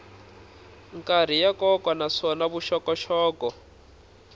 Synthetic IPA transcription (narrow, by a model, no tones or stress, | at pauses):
ŋkʼar̤ijakɔkwanaʂɔnaβuʃɔkɔʃɔːkɔ